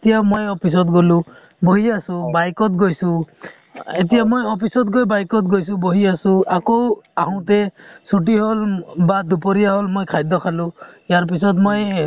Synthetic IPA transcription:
et̪ijamojɔpʰis̬ɔt̪ɡolu | bɔɦiasũbajkɔt̪̚ɡojsũ | et̪ijamojɔpʰisɔt̪̚ɡojbajkɔt̪̚ɡojs̬ũbɔɦiasũakoaɦɔ̃t̪esuʈiɦolbad̪upɔɾijaɦɔlmojkʰajd̪ɔkʰalujaɾpisɔt̪moj

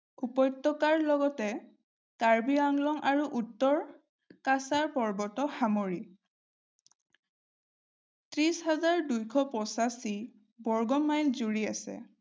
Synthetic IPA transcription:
upɔjtːɔkaɹlɔɡɔtɛ | kaɹbiaŋlɔŋʔaɹuʔutːɔɹ | kasaɹpɔɹbɔtɔxamoɹi | tɹishazaɹdujkʰɔpɹɔsasi | bɔɹɡɔmajnzuɹia̰sɛ̰

